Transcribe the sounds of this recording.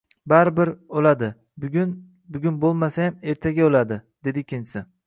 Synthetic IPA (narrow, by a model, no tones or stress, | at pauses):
baɾɪbɪɾolˠad̪ɪ | bʲn | bʊɡʲʊnbolˠmasajame̞ɾt̪ʰaɡʲaolˠad̪ɪd̪̥e̞d̪ɪkʲʰɪnsɪ